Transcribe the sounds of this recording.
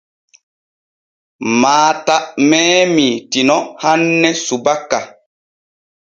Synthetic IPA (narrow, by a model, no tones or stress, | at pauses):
maːtaʔmɛːmitinɔhanːɛsubakːa